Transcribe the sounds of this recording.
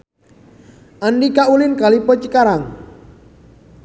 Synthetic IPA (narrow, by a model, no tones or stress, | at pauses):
ʔanɖikaʔulɪnkalipɔt͡ʃikaɾaŋ